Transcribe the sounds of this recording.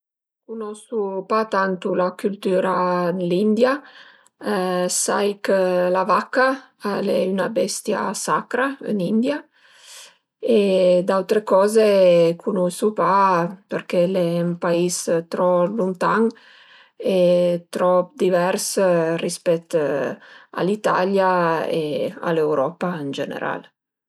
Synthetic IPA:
kunɔsupat̪ant̪ulakylt̪yːɾad̪lind̪ja | sajkəlavakːa | alɛynabɛst̪ja̰sakɾaə̰nind̪ja | ed̪awt̪ɾekɔːzekʰunusupaperkelɛmpaist̪ɾɔlunt̪aŋ | et̪ɾɔpd̪ivɛrsrispɛt̪ː | a̰lit̪a̰ljaḛa̰lɛwɾɔːpaənd͡ʒḛnḛɾa̰l

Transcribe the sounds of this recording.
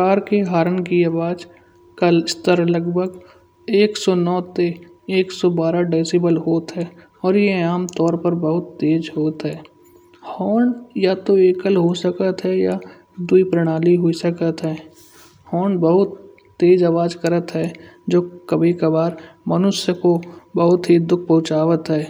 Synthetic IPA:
aːɾkeɦaːɾənkiaʋaːd͡ʒ | kaɪst̪əɾləɡbʱəɡ | eːksɔːnɔːt̪e | eːksɔbaːɾaɖeːsibəlɦoːt̪ɦɛː | ɔːɾjeaːmt̪ɔːɾpəɾbəɦʊt̪ːeːd͡ʒɦoːt̪ɦɛː | hɔːɳjat̪oeːkəlɦosəkət̪ɦɛja | d̪uipɾəɽ̃aːliɦoisəkət̪ɦɛː | hɔːɳbəɦʊt̪ː | eːd͡ʒaːʋaːd͡ʒkəɾət̪ɦɛːd͡ʒoːkəbʱikəbaːɾmənʊsjəkobəɦʊt̪ɦid̪ʊk̚ʰpɐɦʊ̃t͡ʃaːʋət̪ɦɛː

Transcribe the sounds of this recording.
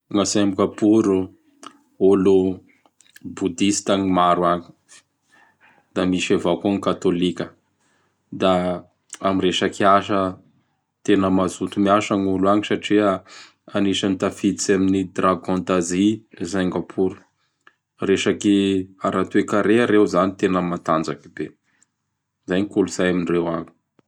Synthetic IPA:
ŋasembiɡapuɾu | ulu | bud̪ist̪aŋimaɾwaɲi̥ | d̪̥amiʃavakuaŋikat̪olikʲə | d̪a | amiɾeʃakiaʃə | t̪enəmazut̪umiaʃaɲuluaŋisaʈ͡ʂia | aniʃanit̪afiit͡saminid̪raɡɔ̃nt̪azizajŋɡapʰuɾu̥ | reʃakiaɾat̪uekaɾeaɾewzanit̪enəmat̪and͡zakibe | zajɲikuluz̥ajaminrewaŋi̥

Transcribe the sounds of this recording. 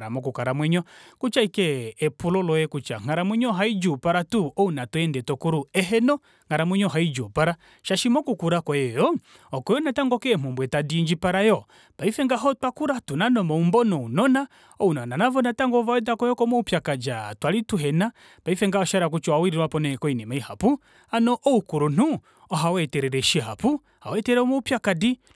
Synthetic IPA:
ɾamɔk̬ukaɾamwɛɲɔkut͡ʃaikɛɛpulɔlɔjɛkut͡ʃa̰ŋ̥aɾamwɛɲɔɦaid͡ʒupaɾatuɔunatuɛndɛtɔkuɾuɛɦɛnɔ | ŋ̥aɾamwɛɲɔɦaid͡ʒɔpaɾa | ʃaʃimɔkukuɾakɔjɛjɔ | ɔkɔjɔnataŋɡɔkɛːmɔmbwɛtadiind͡ʒipaɾajɔ | paifɛŋɡaɦɔtwakuɾatunanɔmɔumbɔnɔunɔna | ɔunananavɔnataŋɡɔvawɛdakɔjɔkɔmɔupjakad͡ʒatwalituɦɛna | paifɛŋɡaɔʃaɾak̬ut͡ʃɔwawiɾiɾwapɔnɛkɔinɛmaihapu | anɔʔɔukuɾun̥u | ɔɦawɛtɛɾɛɾɛʃiɦapu | ha̰wɛtɛɾɛɔmɔupjakadi

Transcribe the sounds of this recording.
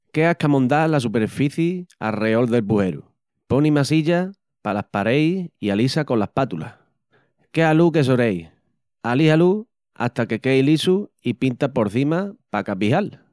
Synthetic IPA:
ke̞akamõ̞nd̪alasupeɾfiθjia̰reo̞lðe̞lpuhe̞ɾṵ | po̞nimasiʎa | palahpaɾe̞jialisako̞lahpat̪ula̰ | ke̞aluke̞s̬oɾe̞j | alihalu | a̰t̪ake̞ke̞jlisuipint̪apo̞ɾθimapakapiɦal

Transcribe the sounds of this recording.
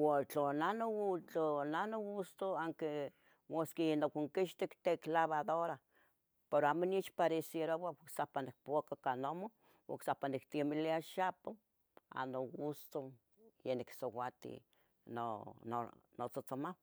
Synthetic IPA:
wat͡ɬonanot͡ɬonanoɡust̪oaŋke | moskijenokʷiŋkiʃt̪ikt̪eklaβaðoɾa | peɾoamoniit͡ʃpaɾesjeɾowawksapanik̚powakakanomo | wa̰ksahpanikt̪imiliaʃapo | a̰noɡust̪o | jeniksowat̪ḭ | nononot͡sot͡somaw

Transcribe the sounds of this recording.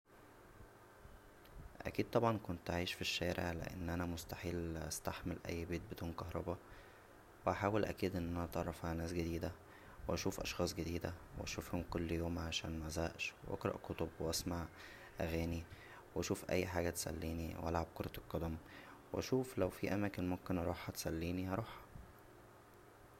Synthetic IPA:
ʔæ̰kiːd̪̚t̪ˤɑbʕɑnkont̪ʔaʕiːʃfiʃːæːɾʔḛʕlḛʔḛnːʔænæmost̪aħiːlʔæ̰st̪aħmelʔæ̰jːbeːt̪̚bed̪uːnkɑhɾˤɑbɑ | weʔaħaːwelʔæ̰kiːd̪ʔenːʔænæʔt̪ɑrˤːɑfʕahænæːsɡed̪iːd̪æ | weʔæʃuːfʔɑʃxɑːsˤɡed̪iːd̪æ̰wʔæ̰ʃufhomkolːjoːmʕaʃæ̰ːnmæzæːʔʃwʔɑ̰kɾˤɑ̰ʔkot̪obweʔæsmaʕ | ʔæɣæːni | wʔæʃuːfʔæ̰jːħaːɡæt̪sæ̰lːiːniwʔæ̰lʕab̚koɾˤɑt̪elqːɑd̪æmwʔæʃuːflæwfiʔæmæːkenmomkenʔɑɾˤuːħɑt̪e̥sælːiːnijɑɾˤuːħɑ̥

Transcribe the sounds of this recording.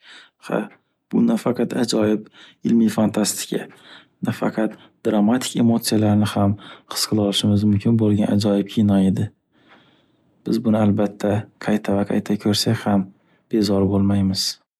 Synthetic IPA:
ha̰ | b̥ʊnafaqʰɑt̪ʰad͡ʒɒjɪbɪlmijfant̪ʰast̪ɪ̥kʲʰa̰ | nafɑ̰qʰɑt̪ | d̪ɾamat̪ʰɪ̥kʲe̞mot̪sɨjalaɾnɪhamqʰɨ̥sqʰɨlˠɒlɪʃɪmɪzmʊmkʲʰɪnbolˠɡʲanad͡ʒɒjɪp̚kʲʰinɒe̞d̪ɪ | b̥ɪzbʊnɪalbat̪ʰːaqʰɑjt̪ʰavaqʰɑjt̪ʰakʲʰɵɾsakʲham | b̥e̞zɒɾbolˠmajmɪz̥

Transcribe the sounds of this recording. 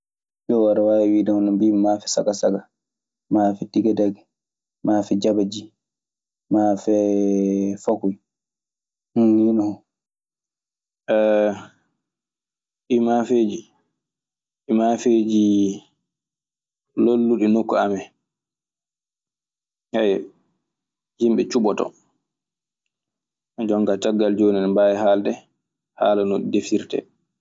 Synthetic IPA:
ɗɔwaɾawawidahɔnɔmbimafɛsa̰kasaka | maːfɛtiɡadaɡɛ | maːfɛd͡ʒabad͡ʒi | mafɛ | fakuj | hninɔhɔ | ɛ | ɓimafeːd͡ʒi | imafed͡ʒi | lolːuɗɛnokːuamɛ | haj | himɓɛt͡ʃuɓɔtɔ̰ | d͡ʒɔŋkataɡːald͡ʒoːnɛnbajɛhaldɛ | ha̰ːlanoɗdefiɾtɛ̰

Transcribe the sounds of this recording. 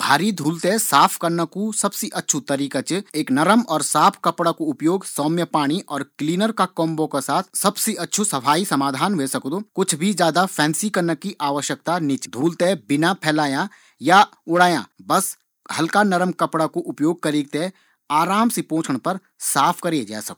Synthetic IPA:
bʱaːɾid̪ʱuːlt̪esaːpʰkɐɾnakusɐbsiʔɐtːʃʰut̪ɐɾiːkat͡ʃeːknɐɾəmɔːɾsaːpʰkɐpɽakoʊpjoːɡsɔːmjəpaːɽ̃iʔɔːɾkliːnəɾkakɔːmbokesaːt̪ʰsɐbsiɐtːʃʰusɐpʰaːisɐmaːd̪ʱaːnʋeːsɐkd̪oːkʊt͡ʃʰbʱid͡ʒjaːd̪apʰɛ̃ːnsikɐɾnəkiʔaːʋəʃjək̚t̪anɪt͡ʃd̪ʱuːlt̪ebɪnapʰɛːlaːjã | jaʊɽaːjã̰bɐs | hɐlkanɐɾəmkɐpɽakoʔʊpjoːɡ̚kɐɾiːɡ̚t̪e | aːɾaːmsepõːt͡ʃʰəɽ̃pɐɾ | saːpʰkɐɾed͡ʒa̰ːsɐk̪̚ː

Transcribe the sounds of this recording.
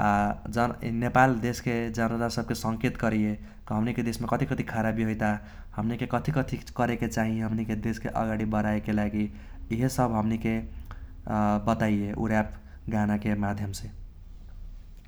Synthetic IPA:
aʌnepald̪esked͡zʌnʌd̪asʌb̚kesʌŋket̪ɡʌɾije | kɦʌmniked̪esmekʌt̪ʰikʌt̪ʰikʰaɾabiɦojt̪a | hʌmnikekʌt̪ʰikʌt̪ʰikʌɾeket͡saɦĩɦʌmniked̪eskeʔʌ̰ɡaɽibʌɾaekelaɡiː | ɦesʌbʱɦʌmnike | bʌt̪ajjeʔṵɾap | ɡanakemad̪ʱjʌmse

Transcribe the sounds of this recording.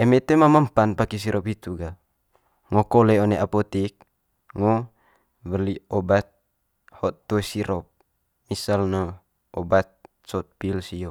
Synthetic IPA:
ɛmɛt̪emamampanpakis̬iɾʔɔpit̪uɡa | ŋɔkoleoneʔapɔt̪ik̚ | ŋɔ | bəliɔbat̪̚ | hɔt̪ːɔɛsiɾɔp̚ | misalnə | ʔɔbat̪̚ | sɔt̪̚pilsijo

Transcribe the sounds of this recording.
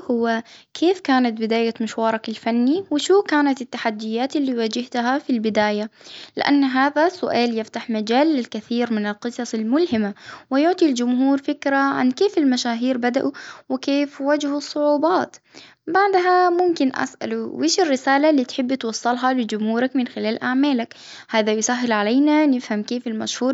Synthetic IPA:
hʊwːakʰeːfkaːnat̪̚bɪd̪aːjamʊʃwɑːɾˤɑkalfanːiwɪʃuːkaːnat̪ɪt̪ːaħad̪ːɪjːaːt̪ɪlːiːwaːd͡ʒɪht̪ɦafilbɪd̪aːjalɪ̰ʔa̰nːɦaːðasʊʔaːljɪft̪aħmad͡ʒaːlːɪlkaθiːɾmɪnɪlqɨsˤɑsalmʊlhɪmawɪjʊʕt̪ˤild͡ʒʊmhuːɾfɪkɾaʕa̰nkeːfɪlmaʃaːɦiːɾbad̪a̰ʔuwɪkeːfwad͡ʒhʊsˤːʊʕuːbɑːt̪ | baʕd̪ɦamʊmkɪnʔa̰sʔa̰luwʔeːʃɪrːɪsaːlalːiːt̪ħɪbːt̪wɑsˤːɑlɦɑlɪd͡ʒʊmhuːɾakmɪnxɪlaːlʔaʕmaːlak | haːðajʊsaɦːɪlʕalaːnanɪfhamkeːfɪlma̰ʃhuːɾ

